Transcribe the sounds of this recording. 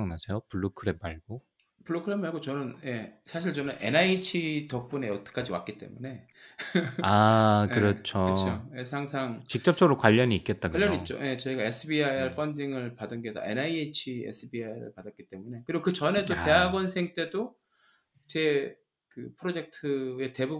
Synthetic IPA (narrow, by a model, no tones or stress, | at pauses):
ŋnasʰejopuɭːokʰɯɾempaɭɡ̥o | puɭːokʰɯɾemaɭɡot͡ɕʌnɯnje̞sʰaɕ̬ʰiɭt͡ɕʌnɯnʔe̞̰nait͡ɕʰitʌp͈une̞ʌt͈ʌ̥k͈ʰad͡ʑiwa̰k͈̚it͈e̞̰mune̞ | akɯɾʌt͡ɕʰooje̞sʰaŋsʰaŋt͡ɕik̚t͡ɕ͈ʌp̚t͡ɕ͈ʌɡɯɾokwaʎːʌɲiːk͈e̞t̚t͈akwaʎːjʌɲit͡ɕ͈o̰je̞t͡ɕʌiɡaesʰɯbiajʌɭpʰʌndiŋɯɭpadɯnɡeda̰e̞̰naiet͡ɕʰiḛsʰɯbiajɾɯ̰ɭpadat̚k͈i̥t͈e̞mune̞kɯɾiɡokɯt͡ɕʌne̞t͈ote̞ɦaɡwʌnsʰe̞ŋt͈e̞do | t͡ɕe̞ | kɯpʰɯɾod͡ʑe̞k̚tʰɯe̞te̞bu